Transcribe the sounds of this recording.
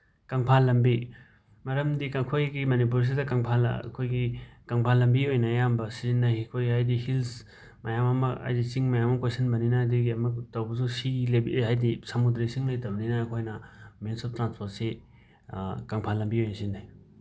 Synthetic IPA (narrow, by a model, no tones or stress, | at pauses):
kaŋpʰalɐmbi | mɐɾɐmdikɐkʰojɡimɐnip̬uɾs̬idɐkaŋpʰal̰kʰojɡikɐŋpʰalɐmbiojnɐːjambɐsizinːaɦikʰojɡiɦajdihils | mɐjamɐmɐa̰jdit͡ʃiŋmɐjamɐkesɐnbɐninɐdiɡiɐmɐktɐwbɐsusiɡilɐbihajdisɐmudɾesiŋlɐjtɐbɐninɐːkʰojnɐminsop̚tɾanspʰoɾt̚se | kaŋpʰalɐmbiojnɐsindaj